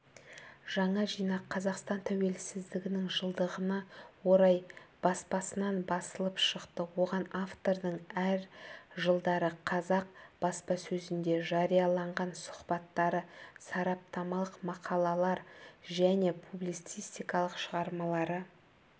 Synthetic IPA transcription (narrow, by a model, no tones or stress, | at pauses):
ʒ̥ɑɴɑʒijnɑqʰːɑzɑqst̪ɑnt̪ʰæwe̞lsɪzd̪ɪɡʲɪnɪŋʒəlˠd̪əʁənɑwo̞ɾɑjb̥ɑspɑsənɑnbɑsəlˠəpʃəqt̪əwo̞ʁɑnaft̪o̞ɾd̪əɴæɾʒəlˠd̪ɑɾəqʰɑzɑq̚b̥ɑspɑsɵzɪnd̪e̞ʒɑɾijɑlˠɑɴʁɑnsʊ̥χbɑt̪ːɑɾəsɑɾɑp̚t̪ɑmɑlˠəqmɑqʰɑlˠɑlˠɑɾʒæne̞pʰublijt̪sijst̪ijkɑlˠəqʃəʁɑɾmɑlˠɑɾə